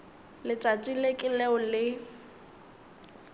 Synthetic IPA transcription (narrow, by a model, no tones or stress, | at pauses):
lɪt͡ʃʼat͡ʃʼilekʼɪlɛʊlɪ